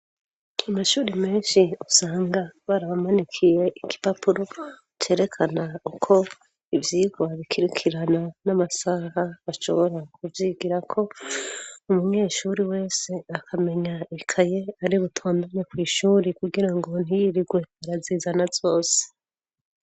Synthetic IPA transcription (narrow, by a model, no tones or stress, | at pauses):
amaʃuːɾime̞ːnʃiusaːŋɡaβaɾaβamonikʰije̞ʔiki̥papʰuɾo̞ | t͡ʃe̞ːɾe̞kʰanaukʰo̞ | ivjiːɡwaβikʰiɾikʰiɾananamasahaβaʃo̰βo̞ɾakuvjiːɡiɾakʰo̞ | umuɲe̞ːʃuɾiwe̞ːse̞akʰame̞ɲaekʰaje̞aɾiβutʰoːndaɲekwiːʃuːɾikuɡiɾaŋɡo̞n̥ijiɾiɡwe̞aɾazizanazo̞ːse̥